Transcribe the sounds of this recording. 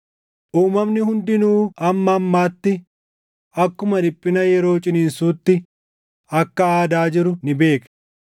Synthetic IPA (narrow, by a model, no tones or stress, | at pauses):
ʔuːmɐmnɪɦʊnd̪ɪnuːɐmːɐːmːaːt̪ːɪ | ɐkːʊmɐᶑɪpʼːɪnɐjɛɾo̞ːt͡ʃʼɪniːnsuːt̪ːɪ | ɐkːɐaːd̪aːd͡ʒɪɾʊnɪbe̞ːk